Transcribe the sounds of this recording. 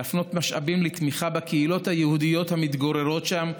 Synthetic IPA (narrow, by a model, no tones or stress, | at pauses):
afno̞t̪maʃa̰bimlet̪miχabakeilo̞t̪hajehud̪ijo̞t̪hamit̪ɡoɾeʁo̞tʃam